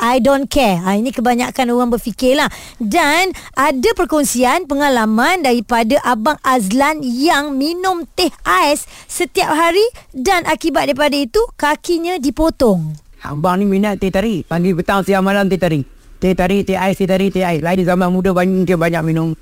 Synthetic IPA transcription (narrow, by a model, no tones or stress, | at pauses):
ʔajdonkɛainĩkəbaɲakanoɣaŋbərfikɪlah | danʔadapərkɔnsianpəŋalamãndaɾipadaʔabaŋazlanjaŋminʊ̃mt̪ehaɛsːət̪iap̚ɦaɾidanʔakibat̪̚daipadait̪ukakiɲãdipot̪ɔŋʔa̰baŋniminaʔt̪ːet̪aɾipaŋɡibət̪aŋsiamalamt̪et̪aɾi | t̪et̪aɾit̪eaɛst̪et̪aɾit̪eaɛslainzamanmudəbaɲakmuŋkibaɲak̚minʊm